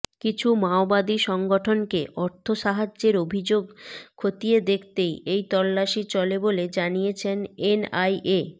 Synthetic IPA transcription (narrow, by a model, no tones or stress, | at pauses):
kit͡ɕʰumaobad̪iʃɔŋɡoʈʰonkeʔɔɾt̪ʰoʃaɦad͡ʑːeɾobʱid͡ʑoɡkʰot̪ijed̪ekʰt̪ejejt̪ɔlːaʃit͡ɕɔleboled͡ʑanijet͡ɕʰenenajʔe